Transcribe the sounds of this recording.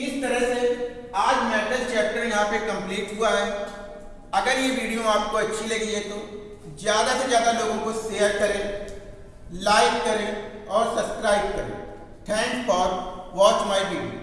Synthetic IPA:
ɪst̪ɐɾəɦse | aːd͡ʒmɛːʈəlt͡ʃɛːk̚ʈəɾjɐɦãpekɐ̃mpliːʈɦʊaɦɛː | ɐɡəɾjeʋiːɖijoaːp̚koɐtːʃʰilɐɡiɦɛt̪o | zjaːd̪asezjaːd̪aloːɡõkoʃejəɾkɐɾẽː | laːɪkkɐɾẽɔːɾsɐbskɾaːɪb̚kɐɾḛ̃ | ʈʰɛ̃ːŋkfɔːɾmʋɔːt͡ʃmaːɪʋiːɖijo̰

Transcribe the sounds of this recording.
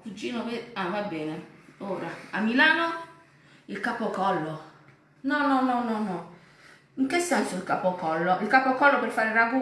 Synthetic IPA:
ud͡ʒinobeababɛnaoɾaamilanɔ | ikapɔkaɔlɔ | nɔnɔnɔnɔnɔ | ŋ̩kesasoikapɔkaɔlɔikapɔkalɔbeɾfaɾeɾaɡu

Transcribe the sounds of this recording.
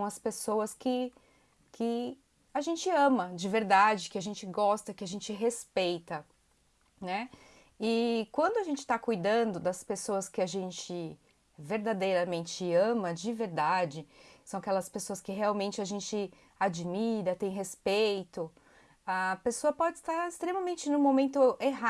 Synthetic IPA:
sɐ̃w̃ɐspesowɐskɪ | kʰɪ | aʒẽnt͡ʃɪɐ̃mɐd͡ʒɪveɾd̪ad͡ʒɪkɪaʒẽnt͡ʃɪɡɔst̪ɐkɪaʒẽnt͡ʃɪɦespejt̪ɐ | nɛ | ɪkwɐ̃nd̪ʊaʒẽnt͡ʃɪ̥t̪akujd̪ɐ̃d̪ʊd̪ɐspesowɐskɪaʒẽnt͡ʃɪ | veɾd̪ad̪ejɾɐmẽnt͡ʃɪɐ̃mɐd͡ʒɪveɾd̪ad͡ʒɪsɐ̃w̃akɛlɐspesoɐskɪɦeawmẽnt͡ʃɪaʒẽnt͡ʃɪ | ad͡ʒmiɾɐt̪ẽj̃ɦespejt̪ʊ | ɐpesoɐpɔd͡ʒɪst̪aɾɪst̪ɾemɐmẽnt͡ʃɪnũmomẽnt̪ʊʔeɦa

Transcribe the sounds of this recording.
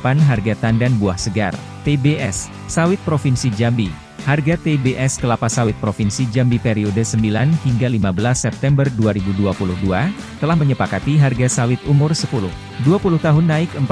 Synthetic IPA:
panɦarɡat̪andanbuahsəɡa̰r | t̪ebeʔɛsː | awɪt̪̚pɾofinsid͡ʒambi | harɡat̪ebeʔɛskəlapasawɪt̪̚pɾofinsid͡ʒambipeɾiodəsəmbilanhiŋɡalimabəlasːɛp̚t̪ɛmbərduaɾibuduapulʊhdua | t̪əlahməɲəpakat̪iɦarɡasawɪt̪umʊrsəpulʊh | duapulʊht̪aɦʊnːaɪkəmp

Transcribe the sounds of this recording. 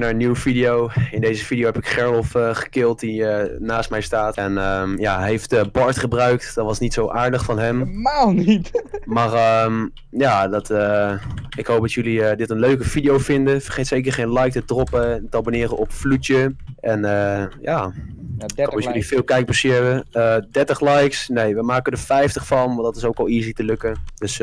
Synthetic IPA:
naːɹənːywəfidiowɪndejzəfidijowɦɛpɪkχɛɹlɔfəχə̥kɪlˠtdiənaːst̚mɛjstaːtɛnəjaːɦejftəbɑɹtχəbrœɥk̚tdɑtʋɑsnitsowʔaːɹdəχfɑnɦɛmmalˠnitmarəm | jaːdɑtə | ɪkɦowp̚dɑtjəlidɪtənløɥkəv̥idijowfɪndəfərχejtsejkəɹχejnlɛjk̚tədrɔpətəɑbonɪːrəʔɔpflut͡ʃəɛnəjaː | klifɪːlˠkɛjk̚bəsiʋəədɛtəχlɛjksnejʋəmaːkədəfɛjftəχfɑnʋɑndɑtɪ̥sowkɑlˠizitəlɵkəd̥øs

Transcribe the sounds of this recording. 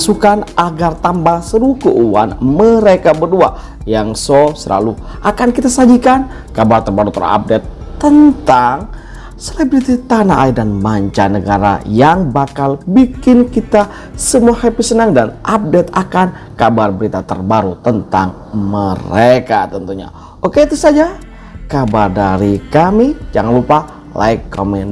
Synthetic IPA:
sukanʔaɡart̪ambaŋsəɾukuʔuwa̰nməɾekabərdua | jaŋsosəla̰lu | ʔakankit̪asad͡ʒikan | kabart̪ərbaɾut̪əɾ̰a̰p̚dɛt̪ːənt̪aŋ | selebɾit̪it̪anaʔaidanmaɲt͡ʃanəɡaɾa̰jaŋbakalbikɪnkit̪a | səmuahepisənəŋdanʔap̚dɛt̪akan | kabarbəɾit̪at̪ə̰rbaɾut̪ənt̪a̰ŋ | məɾekat̪ənt̪uɲa̰ | ʔokeit̪usad͡ʒa | kabardaɾikamid͡ʒaŋanlupa | lʔa̰ɪkːomɛn

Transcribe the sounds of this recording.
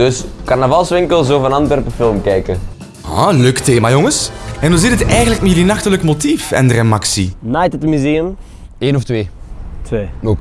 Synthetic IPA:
d̥ɵskarnavɑlˠsʋɪŋkəlˠz̬oːvnɑntʋɛrpəfɪlˠmkɛjkə | a̰løkteːmaːjoŋəsɛnɔlzidətɛjɣənləkmɛjylinɑxtələkmotifɛ̰ndərɛmaksḭnajtətmyzeːəm | eːnɔftʋeːtʋeːno

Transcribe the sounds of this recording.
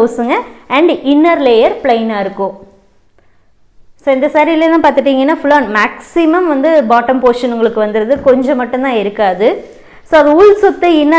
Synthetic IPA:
oːsɯŋɡɐɐɳɖɪnːɐɾleːjɐɾpɭɐɪnaːɪɾɯkːʊ̃ | soːɛnd̪ɐsaːɾiɪlelãːpaːɾt̪ɯʈːiːŋɡɐnːaːfʊloːnmaːksɪmɐmʋɐnd̪ɯbaːʈːɐmpoːʂɐnʊŋɡɐɭɯkːɯʋɐnd̪ɯɾɐðɯkɔɲd͡ʒɐ̃mɐʈːɯ̃nt̪ãːɪɾɯkːaːðɯ | soːɐðɯuɭsɔt̪ːɯɪnːɐ

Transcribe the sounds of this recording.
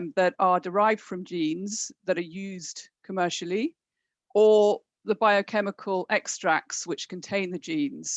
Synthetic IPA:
mðəɾədɪɹaɪvd̥fɹə̃md͡ʒĩːnzðəɾəjʉːzdkʰəmɜˑʃəlˠi | ʔə | ðəbaɪəkʰɛmɪkʰəlɛkstɹ̥ak̚tswɪt͡ʃkʰə̃ntʰẽɪ̃nðəd͡ʒĩːnz̥

